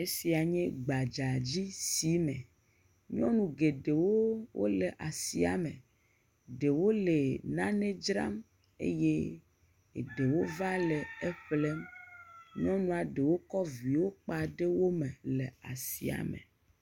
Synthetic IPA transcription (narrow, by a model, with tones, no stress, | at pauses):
e˦si˨a˨ɲɛ̃˦ɡ͡ba˨d͡ʒa˨d͡ʑi˦si˦mɛ̰̃˨ | ɲɔ̃˦nũ˨ɡe˨ɖe˨wo˦wʔo̰˦le˨ʔa˨si˦a̰˨mḛ̃˨ | ɖe˨wo˦le˨nã˦nẽ˦d͡ʒɾa̰˦m | ḛ˦je˦ | e˨ɖe˨wo˦va˦lɛ˨e˦ɸle˦m | ɲɔ̃˦nũ˦a˨ɖe˨wo˦kɔ˦vi˨wo˦k͡pa˨ɖe˦wo˦mẽ˨le˨a̰˨si˨a̰˨mḛ˨